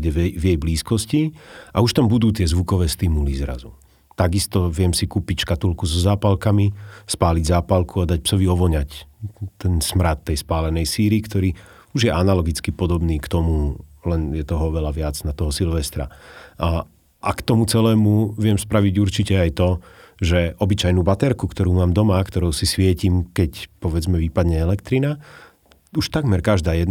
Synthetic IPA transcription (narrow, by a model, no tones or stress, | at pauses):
ɟɛʋɛvjɛjbliːskɔsciʔauʃt̪ambud̪uːt̪ɪɛzʋukɔʋɛːst̪imulizɾa̰zu | t̪aɡist̪ɔʋɪɛmsikuːpicʃkat̪ulkuzɔzaːpalkamispaːliɟzaːpalkuad̪ac̚psɔʋiɔʋɔɲact̪ɛnsmɾat̪ːɛjspaːlɛnɛjsiːɾikt̪ɔɾiː | uʒjɛʔanalɔɡit͡skipɔd̪ɔbniːkt̪ɔmulɛnjɛt̪ɔɦɔɔʋɛlaʋɪad͡znat̪ɔɦɔsilʋɛst̪ɾa̰ | ʔa̰kt̪ɔmut͡sɛlɛːmuʋɪɛmspɾaʋiɟuɾt͡ʃicɛajt̪ɔʒɛɔbit͡ʃajnuːbat̪ɛɾkukt̪ɔɾuːmaːmd̪ɔmakt̪ɔɾɔʊsisʋɪɛcimkɛcpɔʋɛd͡zmɛʋiːpad̪ɲɛɛlɛkt̪ɾina | uʃt̪aɡmɛɾkaʒd̪aːjɛd̪